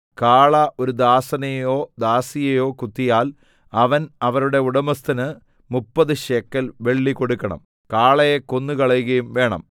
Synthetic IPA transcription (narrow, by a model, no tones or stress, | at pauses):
kaːɭɐʔo̞ɾud̪aːsɐnɐjjo̞ːd̪aːsijɐjo̞ːkut̪ːijaːl | ɐʋɐnɐʋɐɾuɽe̞uɽɐmɐst̪ɐnɨ | mupːɐðɨɕekːɐlʋe̞ɭːiko̞ɽukːɐɳɐ̰m | kaːɭɐjeko̞nːukɐɭɐjuɣɐjumʋe̞ːɳɐ̰m